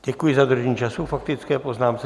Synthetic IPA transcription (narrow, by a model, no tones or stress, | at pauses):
ɟ̥ɛkujɪzad̪r̩ʒɲiːt͡ʃasufak̚t̪ɪt͡skɛpoznaːmsɛ